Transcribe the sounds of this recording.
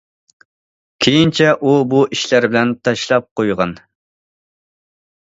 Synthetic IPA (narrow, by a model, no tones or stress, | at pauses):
kʲʰejint͡ʃʰɛʔubuʔiʃlæɾbɪlɛnt̪ʰɑʃlˠɑp̚qojʁɑn